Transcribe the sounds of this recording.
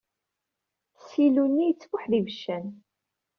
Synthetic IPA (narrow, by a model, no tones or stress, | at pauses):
silunːijət͡sːfʊħðivəʃːæn